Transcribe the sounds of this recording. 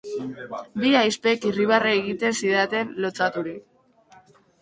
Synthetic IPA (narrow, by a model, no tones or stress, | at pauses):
biajspe̞kiriβaraeɣit̪e̞nsiðat̪e̞nlot͡sat̪uɾik